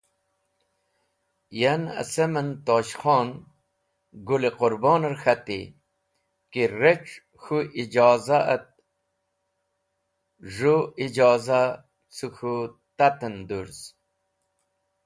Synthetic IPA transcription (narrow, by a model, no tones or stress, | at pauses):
jana̰semənt̪oːɕχoːn | ɡulequɾboːnɐɾxat̪ḭ | kiɾeʈ͡ʂ | xuʔid͡ʑoːzaət̪̚ | ʐuid͡ʑoːza | suxʰu | t̪at̪ənd̪uɾz